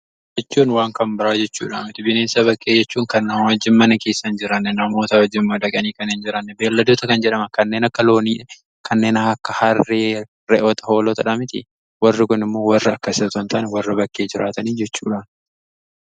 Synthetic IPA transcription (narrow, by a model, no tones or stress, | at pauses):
d͡ʒɛt͡ʃːuːnwaːŋkɐmbɪɾaːd͡ʒɛt͡ʃːṵːᶑa̰ːmɪt̪ɪbɪneːnsɐβɐkʼːe̞ːd͡ʒɛt͡ʃːuːŋkɐnːaːnwɐd͡ʒːɪmːɐnɐke̞ːsːɐnd͡ʒɪɾɐnːɛnɐmo̞ːt̪ɐwɐd͡ʒːɪmːɐᶑ̪ɐkʼɐniːkɐnɪnd͡ʒɪɾɐnːɛbe̞ːlːɐd̪oːt̪ɐkɐnd͡ʒɛᶑɐmɐkɐnːeːnɐkːɐlo̞ːniː | kʰɐnːe̞ːnɐɐkːɐhɐre | ɾɛʔoːt̪ɐ̥ho̞ːlɔt̪ɐᶑɐmɪt̪ɪ̰ | wɐrːɪkʊnɪmːo̞ːwɐrːɐɐkːɐɪsɐt̪ɐnt̪ʰaːnɛwɐrːɐbɐkʼːe̞ːd͡ʒɪɾaːt̪ɐniːd͡ʒɛt͡ʃːṵːᶑaːn